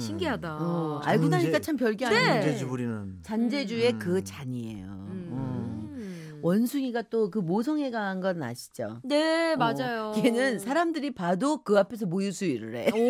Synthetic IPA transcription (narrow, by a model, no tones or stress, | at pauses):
ɕʰiŋɡiɦadaʌa̰ɭɡudaɲik͈at͡ɕʰampjʌɭɡiaaed͡ʑubuɾinɯnt͡ɕand͡ʑe̞d͡ʑue̞kɯt͡ɕaɲie̞̰jo̰ʌ | wʌnsʰuŋiɡat͈okɯmosʰʌŋɦe̞ɡaɦanɡʌna̰ɕʰi̥d͡ʑo̰nemad͡ʑajokɯenɯnsʰaɾamdɯɾipadokɯapʰe̞s̬ʰʌmojusʰuiɾɯɾe̞̰